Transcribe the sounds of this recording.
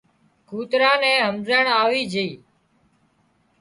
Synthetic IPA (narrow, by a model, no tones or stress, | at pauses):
kuːt̪ɾãːnɛ̃ːɦəmzəɳaːʋiːd͡ʒiː